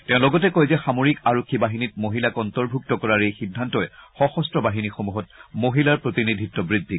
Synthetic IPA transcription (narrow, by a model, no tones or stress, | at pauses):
teʊ̃lɔɡɔtɛkojzɛxamoɹikaɹokʰːibaɦinit̚moɦilakɔntɔɹbʱuk̚tɔkɔɹaɹejxidʱːantɔjɛxɔxɔstɹɔbaɦinixomuɦɔt̚moɦilaɹpɹotinidʱitːɔbɹidʱːi